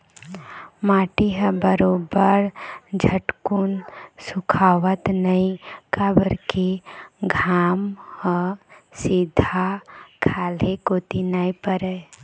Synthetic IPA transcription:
maːʈiɦəbəɾoːbəɾd͡ʒʱəʈkunsʊkʰaːʋət̪nəĩkabəɾkiɡʱaːmhəsɪd̪ʱakʰaːlekoːt̪inaːipəɾɛ

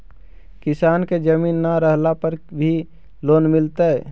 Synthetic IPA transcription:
kɪsaːnked͡ʒəmiːnːaɾəɦlapəɾbʱi | loːnmɪlt̪a

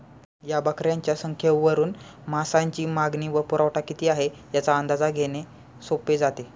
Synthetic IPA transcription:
jabəkɾjaɲt͡ɕjasəŋkʰjəʋʋəɾuːn | masaɲt͡ɕiːmaɡniːʋəpuɾaʋʈakit̪iːaɦe | jat͡saənd̪ad͡zaɡʱene | soped͡zat̪e

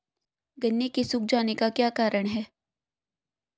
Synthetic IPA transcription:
ɡɐnːjekesʊk̚d͡ʒaːnekakjaːkaːɾəɽ̃ɦɛː

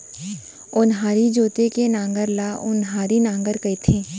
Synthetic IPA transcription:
ʊnɦaːɾid͡ʒoːt̪ekenãːŋɡəɾlaːʔʊnɦaːɾinãːŋɡəɾkəit̪ʰẽː

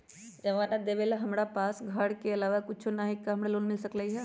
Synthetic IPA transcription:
d͡ʒɐʋaːnad̪eʋeːlaɦɐmɽapaːsɡʱaːɽkeɐlaːʋakʊt͡ʃʰonaːɦɪkːaɦɐmɽaloːnmɪlsɐklaiɦɛ

